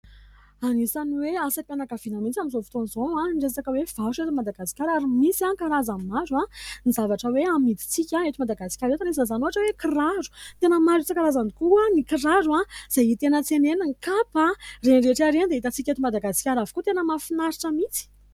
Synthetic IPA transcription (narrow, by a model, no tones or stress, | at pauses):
anisaniweasapjanakavinamint͡saminzofi̥t̪onizoaɖ͡ʐesat͡sakəwev̥aʃet̪umad̪aɡasi̥kʲaɾaɾimisankaɾazanmaɾuanizavaʈ͡ʂəweamid̪i̥t͡sikʲãet̪umad̪aɡasi̥kʲaɾet̪anisanzanoaʈ͡ʂəwekiraɾu̥t̪enəmaɾit͡sakaɾazanikuanikiɾaɾuaz̥ajit̪enət͡seneniŋkaparenɾeʈ͡ʂaɾend̪eit̪at͡sikʲet̪umad̪aɡasi̥kʲaɾavi̥kut̪enəmafinaɾiʈ͡ʂəmit͡si̥